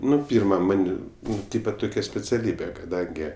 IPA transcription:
ˈnʊ ˈpʲiːrmɐ ˈmɐnʲ ˈnʊ ˈtʲiːpɐ ˈtʊkʲɛ sʲpʲɛt͡sʲɛˈlʲiːbʲɛ kɐˈdɐŋʲɡʲɪ

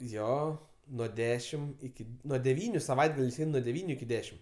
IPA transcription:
ˈjoː nuɔ ˈdʲæːʃʲɪm ɪˈkʲɪ nuɔ dʲɛˈʋʲiːnʲʊ sɐˈʋɐɪdɡɐlʲɛɪs ˈɛɪn nuɔ dʲɛˈʋʲiːnʲʊ ɪkʲɪ ˈdʲæːʃʲɪm

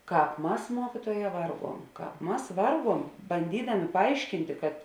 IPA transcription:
ˈkɑːp ˈmɐs ˈmuɔkʲiːtuɔˌjɛː ˈʋɐrˌɡuɔm ˈkɑːp ˈmɐs ˈʋɐrˌɡuɔm bɐnʲˈdʲiːdɐmʲeː pɐˈɐɪʃʲkʲɪnʲtʲeː kɐt

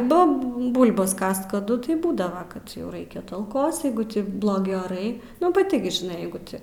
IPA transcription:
ˈbʊp ˈbʊlˠbɐs ˈkɐst kɐˈdʊ tɐɪ ˈbuːdɐʋɐ kɐt jɛʊ ˈrɐɪkʲɛ ˈtɐlˠkoːs ˈjɛɪɡʊ ˈtʲɪ blˠoːˈɡʲɪ oːˈrɐɪ nʊ pɐˈtʲɪ ɡʲɪ ʒʲɪˈnɐɪ ˈjɛɪɡʊ ˈtʲɪ

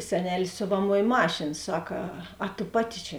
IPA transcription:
sʲɛˈnʲæːlʲeːs ˈsʲoːʋɐˌmoːj ˈmɑːʃʲeːn ˈsɐk ɐ ɐ tʊ ˈpɑːˌtʲɪ t͡ʃʲɛ

